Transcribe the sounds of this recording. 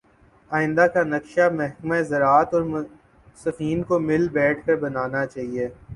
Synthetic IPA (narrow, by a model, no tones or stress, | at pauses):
aːɪ̃nd̪akanɐkʃamɛɦkmaezɐɾaːt̪ɔːɾm | sɐfiːnkomɪlbɛːʈʰkɐɾbɐnaːnat͡ʃaːɦieː